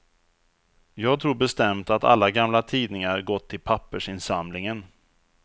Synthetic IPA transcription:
jɑːɡt̪ʰɾuːɾbɛst̪ɛmt̪at̪a̰lːaɡamlat̪ʰiːd̪nɪŋaɾɡɔt̪ʰːɪlpʰapːəʂɪnsamlɪŋən

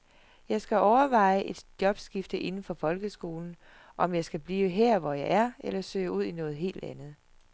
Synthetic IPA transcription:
jɑ̈ɪsɡ̥æʔɒʊɐʋɑ̈ɪ̰əʔe̝d̥d̥jɒ̽b̥sɡ̥ifd̥əʔe̝nn̩fɒ̽fɒ̽lɡ̥əsɡ̥o̝ːln̩ | ʔɒ̽mjɑ̈ɪsɡ̥æb̥liːəɦeɐ̰ʋɒjɑ̈ɪæɐelɐsø̰ːuð̞̰ˠinɔ̽ːð̞̩ˠɦe̝̰ːld̥ænð̞̩ˠ

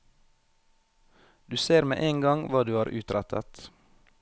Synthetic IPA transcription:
d̪̥ʉːseːɾmḛːʔeːŋɡɑŋʋɑːd̪ʉːɑːɾʔʉ̰ːt̪ɾɛt̪ʰə̰t̪

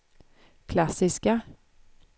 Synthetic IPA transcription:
kʰlasɪska

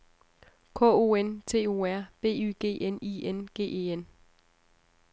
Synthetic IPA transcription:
kʰɔ̰̽o̝ent͡sʰe̝̰ːo̝̰æɐ̰b̥e̝̰ːy̰ːɡ̥e̝̰ːʔenienɡ̥e̝̰ːe̝ːen

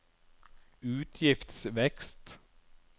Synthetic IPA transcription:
ʉːt̪ʰjɪft̪svɛkst̪

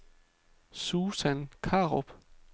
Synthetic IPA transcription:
suːsænkʰɑ̈ːʁob̥

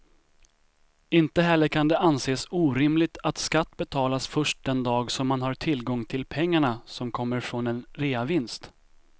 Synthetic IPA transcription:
ɪnt̪əɦɛlːəɾkʰand̪ɛʔanseːsuːɾɪmlɪt̪ʰat̪skat̪ːbɛt̪ʰɑːlasfœʂʈ̚d̪ɛnd̪ɑːɡsɔmːanɦaɾʈʰɪlːɡɔŋːt̪ʰɪlpʰɛŋːaɳasɔmkʰɔmːəɾfɾonɛnɾeːavɪnst̪

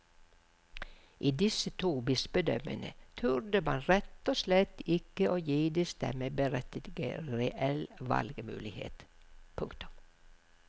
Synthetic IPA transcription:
ʔiːd̪ɪsət̪ʰuːbɪsbəd̪œmə̰nə̰t̪ʰʉɾd̪əmɑnɾɛt̪oːslɛt̪ːɪkəʔoːjiːd̪ɪst̪ɛ̰məbəɾɛt̪əd̪ɡəɾɛʔɛlʋɑ̰lɡəmʉ̰ːlɪhḛːt̪pʰʊŋkt̪ʊ̥m

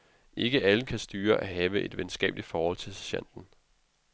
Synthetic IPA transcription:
ʔe̝ɡ̥əʔæləkʰæsd̥yːɐʔæɦɛːʊəʔe̝d̥ʋen̩sɡ̥ɛ̰ːb̥lid̥fɒːhɒ̽l̰t͡sʰe̝ɕæ̰n̰d̥n̩

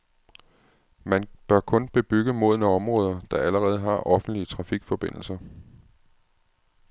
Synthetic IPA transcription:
mænb̥ɶɐkʰɔ̽nb̥e̝b̥yɡ̥əmo̝ð̰ˠnəɒ̽mʁɔ̽ːð̞ˠɐd̥ɑ̈æləʁɛːð̞̩ˠɦɑ̈ʔɒ̽fn̩d̥liət͡sʰʁɑ̈fiɡ̥fɒ̽b̥e̝n̰l̩sɐ

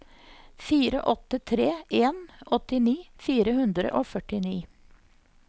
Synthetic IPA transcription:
fiːɾə̰ʔɔt̪ət̪ʰɾeːʔeːnʔɔt̪ɪniːfiːɾəhʉnd̪ɾə̰ʔoːfœʈɪniː

